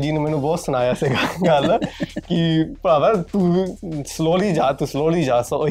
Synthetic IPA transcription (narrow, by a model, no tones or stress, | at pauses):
d͡ʒiːnũːmɛːnũːbɔːt̪sʊnaːjaːsiːɡaːɡəlkɪpəɾaːʋət̪ũːsloːliːd͡ʒaːt̪uːsloːliːd͡ʒaːsõo